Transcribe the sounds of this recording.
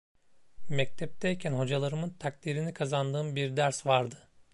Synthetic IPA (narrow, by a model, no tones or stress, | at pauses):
mɛc̚t̪ʰɛp̚t̪ʰɛjcʲʰænho̞d͡ʒalˠaɾɯmɯnt̪ʰak̚t̪iɾinikʰazand̪ɯːmbiɾd̪æɾsvaɾd̪ɯ